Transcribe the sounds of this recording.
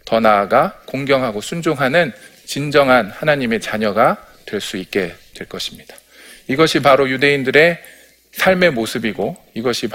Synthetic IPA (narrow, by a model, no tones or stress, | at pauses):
tʌnaːɡakoŋɡjʌŋɦaɡosʰund͡ʑoŋɦanɯn | t͡ɕind͡ʑʌŋɦanhanaɲime̞t͡ɕaɲʌɡa | twe̞ɭs͈uik̚k͈e̞tweɭk͈ʌɕʰi̥mɲid̥ḁ | iɡʌɕʰipaɾojude̞indɯɾe̞ | sʰaɭme̞mosʰɯbiɡo | iɡʌɕʰip